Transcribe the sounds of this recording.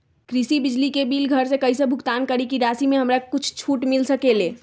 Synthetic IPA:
kɾisibid͡ʒlikebilɡʱəɾsẽkəɦisẽbʱukt̪ankəɾikiɾasimeɦəmɾakut͡ʃʰt͡ʃʰuʈmilsəkele

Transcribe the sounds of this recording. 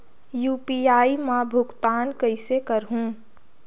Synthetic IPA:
juːpiaːimãbʱʊɡt̪aːnkəɪsekəɾɦũː

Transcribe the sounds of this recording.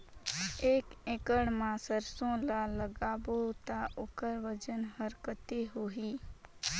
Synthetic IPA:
eːkẽkəɽmãsəɾsõlaləɡaːbot̪aʔʊkəɾʋəd͡ʒənhəɾkət̪eɦoːɦiː

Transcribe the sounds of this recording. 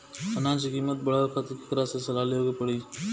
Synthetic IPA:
ənãːt͡ʃikiːmət̪̚bəɽaːkʰət̪ki̥kəɾaːsesəlaːleoːkepəɽiː

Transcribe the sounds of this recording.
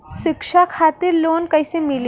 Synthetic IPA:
ɕikʂakʰat̪iːɾlonkajsemil

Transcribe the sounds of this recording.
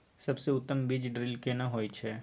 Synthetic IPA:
sɐbseʊt̪ːəmbid͡ʒɖɾɪlkenɐɦoːit͡ʃʰɛː

